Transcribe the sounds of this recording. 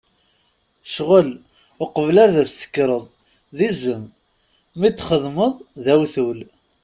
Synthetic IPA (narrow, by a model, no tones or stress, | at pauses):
ʃʁəl | ʊqəvlaɾðæst̪ə̥kːɾˤəðˤ | ðizəmː | it͡s̪ːχəðˤməðˤðæwθul